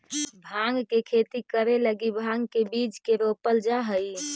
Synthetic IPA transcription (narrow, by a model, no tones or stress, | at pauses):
bʱãŋɡkekʰet̪ikəɾeləɡibʱãŋɡkebid͡ʒkeɾopəld͡ʒaɦəj